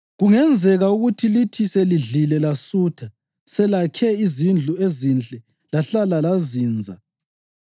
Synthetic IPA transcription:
ɣuŋɛnd͡zʱɛɣauɣutʰilitʰiseliɮilɛlasuːtʰa | sɛlakʰɛizind͡ɮʱuezint͡ɬʼɛ | laɬalalaziːnd͡zʱa̰

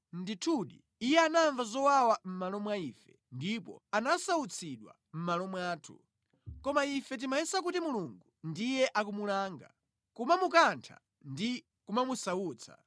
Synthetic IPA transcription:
nditʰuɗḭːjɛanaɱvazɔwawam̩malɔmwaifɛ | ndipɔ̰anasaut͡sʰiɗwa̰ | m̩malɔmwaːtʰṵ | kɔmaifɛt̬imajisak̬utimuluŋɡundijɛʔak̬umulaːŋɡa̰ | kumamukantʰa̰ | ndi | kumamusawuːt͡sʰa̰

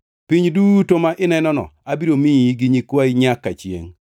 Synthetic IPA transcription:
piɲdutomaʔɪnɛnɔnɔ̰abiɾomiiɡiɲikwaiɲakːat͡ʃjḛŋ

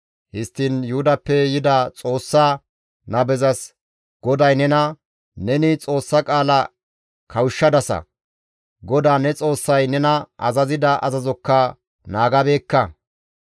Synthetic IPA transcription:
hɪst̪ːɪnjʊhʊd̪ɐpːɛjɪd̪ɐt͡sʼo̞ːsːɐ | nɐbɛzɐs | ɡ̥ɔd̪ɐjnɛnɐ | nɛnɪt͡sʼo̞ːsːɐkʼaːlɐ | kʰɐwʊʃːɐd̪ɐsɐ̰ | ɡɔd̪aːnɛt͡sʼo̞ːsːɐjnɛnɐʔɐzɐzɪd̪ɐʔɐzɐzɔkːɐ | naːɡɐbe̞ːkːɐ

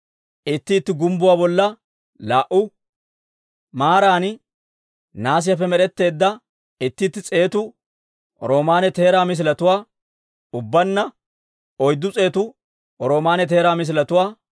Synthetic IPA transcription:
ʔɪt̪ːɪt̪ːɪɡʊmbʊwaːbɔlːɐ | laːʔʊ | maːɾaːnɪ | naːs̬ɪjɐfɛmɛɗɛt̪ːe̞ːd̪ːɐ | ɪt̪ːɪːt̪ːɪt͡sʼe̞ːt̪ʊ | ɾo̞ːmaːnɛt̪e̞ːɾaːmɪs̬ɪlɐt̪ʊwaː | ʊbːɐnːɐ | ɔjd̪ːʊt͡sʼe̞ːt̪ʊ | ɾo̞ːmaːnɛt̪e̞ːɾaːmɪs̬ɪlɐt̪ʊwaː

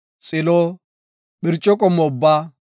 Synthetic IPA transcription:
sʼɪlɔ | ɓɪɾt͡ʃʼɔkʼɔmɔbːa

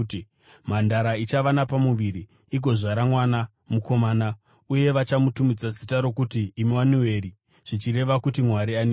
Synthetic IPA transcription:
mandaɾait͡ʃaʋanapamuʋiɾi | iɡʱo̞ʐaɾamwana | muko̞maːna | uje̞ʋat͡ʃamutumid͡zasitaɾo̞kutiːmiwaniwe̞ɾi | ʐ̥it͡ʃiɾe̞ʋakutimwaɾiani

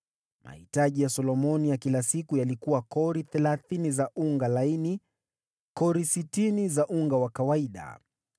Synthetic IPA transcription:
mʔa̰hitaʄijasɔlɔmɔnijakilasikujalikuwakɔɾiθɛlaθinizaʔuŋɡalaini | kɔɾisitinizaʔuŋɡawakawaiɗa̰

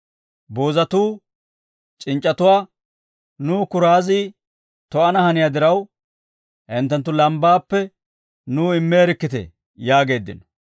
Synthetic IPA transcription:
boːzɐt̪uː | t͡ʃʼɪnt͡ʃʼːɐt̪ʊwaː | nuːkʊɾaːziː | t̪ɔʔɐnɐhɐnɪjad̪ɪɾɐw | hɪnt̪ːɐnt̪̬ːʊlɐmbaːpːɛ | nuːɪmːeːɾɪkːɪt̪ɛ̰ | jaːɡe̞ːd̪ːɪ̰nɔ̥

